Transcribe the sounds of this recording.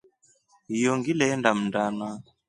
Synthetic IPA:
jɔŋɡilɛɛndam̩ndana

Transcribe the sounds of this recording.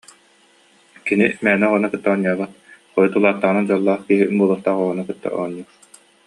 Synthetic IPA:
kinimɛːnɛɔʁɔnakɯt̪ːaɔɲːalaχɔjut̪ulˠaːt̪ːaʁɯnad͡ʑalˠːaːχkiɦibuɔlˠuχt̪aːʁɔʁɔnakɯt̪ːa̰ʔɔ̰ɲːu

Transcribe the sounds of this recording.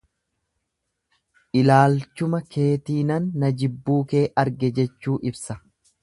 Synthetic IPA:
ʔɪlaːlt͡ʃʊmɐkʰe̞ːt̪iːnɐnːɐd͡ʒɪbːuːke̞ːʔɐɾɡɛd͡ʒɛt͡ʃːuːʔɪbsɐ

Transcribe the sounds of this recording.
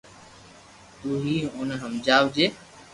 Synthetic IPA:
t̪uːɦiːʊnɦəmd͡ʒaːʋd͡ʒeː

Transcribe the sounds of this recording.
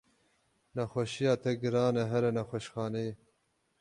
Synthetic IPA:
nɐxoɕijaːt̪eɡɾaːnɐɦɐɾɐnɐxoʃxɑːne

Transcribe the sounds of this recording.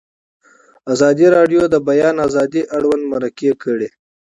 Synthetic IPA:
azɑd̪iɾɑɖjod̪əbajɑnazɑd̪iʔaɽwand̪maɾakekəɽe

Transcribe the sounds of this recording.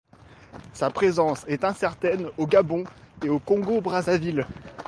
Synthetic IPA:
sapχezɑ̃sɛt̪ɛ̃sɛʁt̪ɛnoɡabɔ̃eokɔ̃ɡobʁazavil

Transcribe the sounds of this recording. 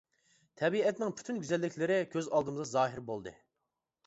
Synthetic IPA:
t̪ʰɛbiɛt̪nɪŋpʰy̥t̪ʰynɡʲyzɛlːɪkʲʰlɪɾɪkʲʰøzɑlˠd̪ɨmɨzʁɑzɑːɦɪɾbolˠd̪ɨ̰

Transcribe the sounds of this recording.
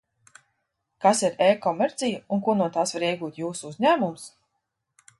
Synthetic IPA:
kasiɾeːkɔmeɾt̪sʲijəunkunuɔt̪aːsvaɾiɛɡuːt̪juːsuuzɲæːmums

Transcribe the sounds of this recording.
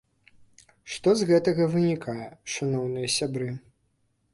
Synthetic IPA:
ʂt̪ɔzɣɛt̪ɐɣɐvɨnʲikʰajɛʂanɔwnɨjɐsʲabɾɨ

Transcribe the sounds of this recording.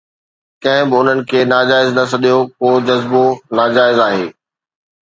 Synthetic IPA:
kɐ̃ɦɪ̃bɪʊn̤ənɪ̆kʰeːnaːd͡ʑaːɪznɐsɐɗijokoːd͡ʑɐzbonaːd͡ʑaːɪzaːɦḛː

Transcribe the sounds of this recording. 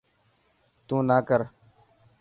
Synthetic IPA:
t̪ũːnaːkəɾ

